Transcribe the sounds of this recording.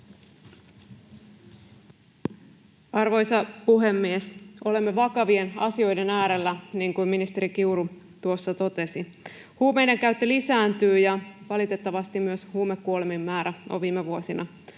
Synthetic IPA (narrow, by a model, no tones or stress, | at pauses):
ɑrʋo̞jsɑpuɦe̞mːieso̞le̞mːeʋɑkɑʋie̞nɑsio̞jde̞næːɾe̞lːæniːŋkumminist̪e̞ɾik̟iuɾu | t̪uo̞sːɑt̪o̞t̪e̞si | huːme̞jdeŋkæɥt̪ːølisæːnt̪yːjɑʋɑlit̪e̞t̪ːɑʋɑst̪immyøshuːme̞kːuolemimːæːɾæo̰ʋiːmːeʋuosinɑ